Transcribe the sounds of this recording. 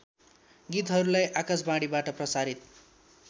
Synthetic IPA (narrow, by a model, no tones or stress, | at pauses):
ɡit̪ɦʌɾulajʔakasbãɽibaʈʌprʌsaɾit̪̚